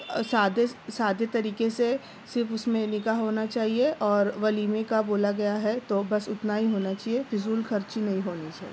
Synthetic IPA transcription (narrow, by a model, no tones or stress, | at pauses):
saːd̪esaːd̪et̪ɐɾiːkese | sɪɾfʊsmẽnɪkaɦɦoːnat͡ʃaːɦieɔːɾʋɐliːmẽkaboːlaɡɐjaɦɛt̪obɐsʊt̪naɦiɦoːnat͡ʃaːɦiefɪzuːlkʰɐɾt͡ʃinɐɦĩɦoːnit͡ʃaːɦi